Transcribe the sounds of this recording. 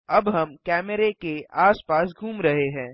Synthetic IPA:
ɐbɦɐmkɛːməɾekeʔaːspaːsɡʱuːmɾɐɦeɦɛ̃ː

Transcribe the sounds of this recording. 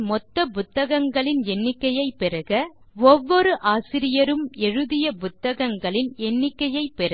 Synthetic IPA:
mɔt̪ːɐpʊt̪ːɐɣɐŋɡɐɭɪnɛnːɪkːɐjɐɪpːɪɾɐɣɐ | ɔʋːɔɾɯʔaːsɪɾɪjɐɾɯmɛɻɯðɪjɐpʊt̪ːɐɣɐŋɡɐɭɪnɛnːɪkːɐjɐɪpːɛɾɐ

